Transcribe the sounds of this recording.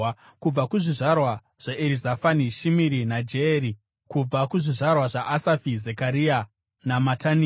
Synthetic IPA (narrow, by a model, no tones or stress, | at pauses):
kub͡vakuʐiʐarwa | ʐ̥aʔeɾizafaniʃimiɾinad͡ʒeːɾi | kub͡vakuʐiʐarwaʐaʔasafizekaɾia | namatʰani